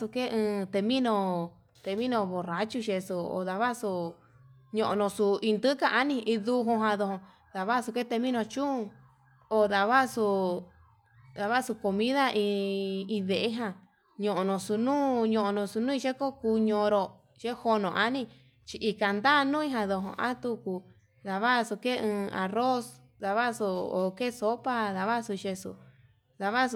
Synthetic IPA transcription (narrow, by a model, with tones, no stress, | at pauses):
su˧ke˦ʔɨ̃ː˧t̪e˧mĩ˦nõ˧ | t̪e˧mĩ˦nõ˧βo˨ra˨t͡ʃu˧ʃe˧su˧o̰˧˨ða˧βa˦su˧ | ɲõ˧ʔõ̰˧nõ˧su˧i˧nd̪ɨ˦ka˧ʔa˧nĩ˧ʔi˧ðu˧ɦõ˧ɦã˧ðo˧hõ˧ | ða˨βa˦˧su˧ke˦t̪e˧mĩ˦nõ˧t͡ʃũ˦ũ˧ | o˧ða˨βa˦su˧ | ða˧βa˦su˧ko˧mĩ˦ða˦ʔĩ˧ĩ˧ðe˨ʔe˦ɦã˧ | ɲõ˨ʔõ˧nõ˧su˧nũː˦ɲõ˧ʔõ˧nõ˧su˧nũ˦ĩ˧ʃe˦ko˦ku˧ɲõ˧ɾo˧ | ʃe˦ho˧nõ˨ʔa˦nĩ˧ | t͡ʃi˧ʔi˧ka˨nd̪a˦˧nũ˦ĩ˦ɦã˧ðo˧ɦõ̰˧ʔa̰˦t̪u˧ku˧ | ða˨βa˦˧su˧ke˦˧ɨ̃ː˧a̰˨ro˦s | ða˧βa˦˧su˧o̰˨ke˦˨so˦pa˦ða˧βa˦˧su˧ʃe˧sṵ˧ | ða˧βa˦s